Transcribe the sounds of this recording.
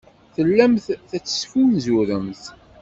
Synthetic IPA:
θəlːæmθθæt͡sːə̥sfunzuɾəmθ

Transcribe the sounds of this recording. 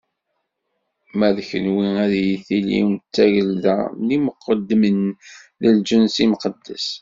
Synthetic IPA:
mæðçənwiæðjiθilḭwnt͡sːæʝəldæmliməqːəd̪ːmənðəld͡ʒənsimqəd̪ːæ̰s

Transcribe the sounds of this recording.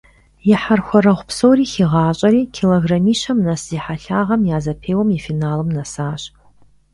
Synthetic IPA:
jaħarxʷaɾɐʁʷpʰsowriːxiʁaːt͡ʃʷʼɐɾiːkʲʰiloɡramiːʃɐmnasiħaɬaʁɐmjaːzɐpʰeːwamifinaːlɨmnasaːʃ

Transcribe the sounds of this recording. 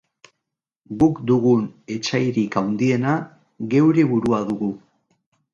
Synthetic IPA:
ɡukd̪uɣune̞t͡ʃajɾikawnd̪ie̞na | ɣe̞wɾe̞βuɾuaðuɣu

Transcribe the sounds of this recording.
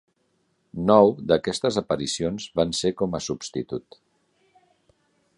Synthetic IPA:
nɔwd̪əkɛst̪əzəpəɾisionzβansekɔməsubst̪it̪ut̪

